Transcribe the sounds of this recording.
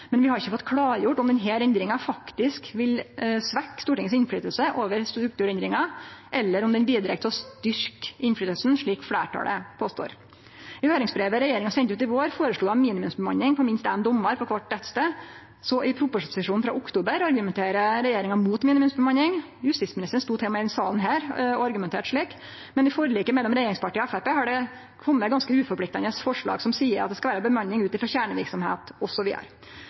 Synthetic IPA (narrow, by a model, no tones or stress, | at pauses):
mɛnʋɪhɑɾɪçːəfɔt̪ːkʰɽɑːɾjʊʈːɔmd̪ɛnɦæːɾɛnd̪ɾɪŋɑfɑkt̪ɪskʋɪlsʋækːst̪uːʈɪŋəsɪnfɽyːt̪əlsəʔoːʋəɾst̪ɾʉk̚t̪ʉːɾɛnd̪ɾɪŋɑʔɛlːəɾɔmd̪ɛnbiːd̪ɾɛk̚t̪ɔst̪ʏɾkɪnflyːt̪əlsn̩ʂɭiːkfɽæ̰ːʈʰɑ̰lə̰pʰoːst̪o̰ːɾ | ɪhøːɾɪŋsbɾeːʋəɾɛjeːɾɪŋɑsɛnt̪ʉːt̪ɪʋoːɾfoːɾəʂɭuːd̪ɑmiːnɪmʉmsbəmɑ̰nːɪŋpʰɔmɪnst̪ɛmd̪ɔmːɑɾpʰɔkʰʋɑʈːɛt̪st̪ə | sɔʔɪpʰɾʊpʊʂsɪʂuːnnfɾɑ̰ʔʊkt̪uːbəɾɑɾɡʉmɛnt̪ʰeːɾəɾɛjeːɾɪŋɑmuːt̪miːnɪmʉmsbɛmɑnːɪŋ | jʉst̪ɪsmɪnɪst̪əɳ̩st̪uːt̪ʰɛːmɑɛɪɪnsɑːln̩ɦæːɾɔɑɾɡʉmɛnt̪ʰeːʈʂɭiːk | mɛnɪfoːɾəliːkəmɛlːɔmɾɛjeːɾɪŋspʰɑʈʰiːɔɛfæɾpeːhɑɖɛ | kʰɔmːət̪ɡɑnskəʉːfɔɾplɪkt̪ɑnəsfɔʂɭɑ̰ːɡsɔmsiːəɾɑt̪̚d̪ɛskɑʋæːɾəbəmɑnːɪŋʉːt̪ɪfɾɑçæːɳəʋɪɾksɔmhḛːt̪ɔsɔʋḭːə̰ɾ